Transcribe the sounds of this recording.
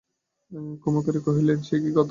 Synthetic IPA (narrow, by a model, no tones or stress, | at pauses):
kɔmot̪aɾekoɦilenʃekiɡɔt̪